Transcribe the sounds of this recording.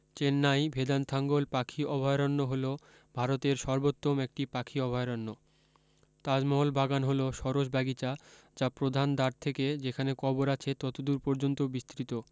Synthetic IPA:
t͡ɕenːajbʱed̪ant̪ʰaŋɡolpakʰiʔɔbʱɔeɾanːoɦolo | bʱaɾot̪eɾʃɔɾbot̪ːomek̚ʈipakʰiɔbʱaeoɾɔnːo | t̪ad͡ʑmɔɦolbʱaɡanɦoloʃɔɾoʃbaɡit͡ɕa | d͡ʑapɾod̪ʱand̪aɾt̪ʰeked͡ʑekʰanekɔboɾat͡ɕʰet̪ɔt̪od̪uɾpɔɾd͡ʑont̪obist̪ɾit̪o

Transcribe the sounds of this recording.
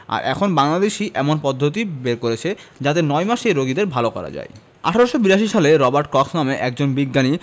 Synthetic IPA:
a̰ɾʔɛ̰kʰonbaŋlad̪eʃiʔɛmonpɔd̪ʱːot̪̬ibeɾkoɾet͡ɕʰed͡ʑat̪enɔjmaʃejɾoɡid̪eɾbʱalokɔɾa̰d͡ʑa̰e | a̰ʈʰaɾoʃobiɾaʃ̬iʃaleɾɔbaɾʈkɔksnameʔɛk̚d͡ʑonbiɡːani

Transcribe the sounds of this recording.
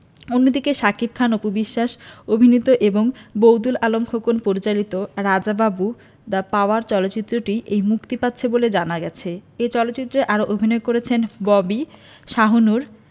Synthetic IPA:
onːod̪ikeʃakib̚kʰanopobiʃːaʃobʱinit̪oʔeboŋbowd̪ulalomkʰokonpoɾit͡ɕalit̪oɾad͡ʑababu | d̪apaoaɾt͡ɕɔloːt͡ɕit̪ːɾoʈiʔejmukt̪ipat̪ːɕʰeboled͡ʑanaɡɛt͡ɕʰeet͡ɕɔlot̪ːt͡ɕit̪ːɾeʔaɾoʔobʱinɔekoɾet͡ɕʰenbɔbi | ʃaɦonuɾ

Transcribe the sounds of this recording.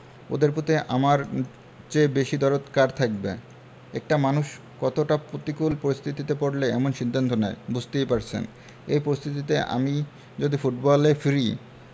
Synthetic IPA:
o̰d̪eɾpot̪ʰeʔamaɾ | t͡ɕebeʃid̪ɔɾot̪kaɾt̪ʰak̚bḛ | ɛ̰k̚ʈamanuʃ | kɔt̪oʈapɾot̪ikulpoɾist̪ʰit̪it̪epoɽleɛmonʃid̪ʱːant̪onaebud͡ʑt̪ejpaɾt͡ɕʰḛn | ejpoɾist̪ʰit̪it̪ea̰mi | d͡ʑod̪ifuʈbɔlefiɾi

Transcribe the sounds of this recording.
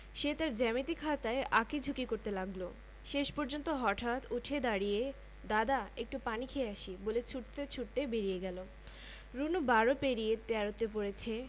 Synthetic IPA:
ʃet̪aɾd͡ʑɛmit̪ikʰat̪aeʔaked͡ʑʱukikoɾt̪elaɡlo | ʃeʃpɔɾd͡ʑont̪oɦɔʈʰat̪uʈʰed̪aɽije | d̪ad̪aek̚ʈupanikʰeeaʃibolet͡ɕʰuʈt̪et͡ɕʰuʈ̚t̪ebeɾijeɡɛlo | ɾunubaɾopeɾijet̪ɛɾot̪epoɾet͡ɕʰe

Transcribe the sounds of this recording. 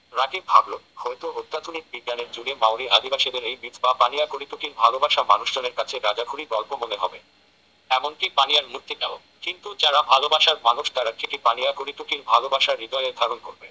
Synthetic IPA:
ɾaɡibʱablohɔejt̪oot̪ːat̪unik̚biɡjaneɾd͡ʑunemawɾiad̪ibaʃid̪eɾejmit̪bapanijakoɾit̪ukiɾbʱalobaʃamanuʃd͡ʑɔneɾkat͡ɕʰeɾad͡ʑakʰuɾiɡɔlpomoneɦɔbe | ɛmonʈipanijaɾmuɾt̪ːit̪ao | kint̪ud͡ʑaɾabʱalobaʃaɾmanuʃd̪aɾakiʈipanijakoɾit̪ukiɾbʱalobaʃaɾːid̪ɔjed̪ʱaɾonkoɾbe

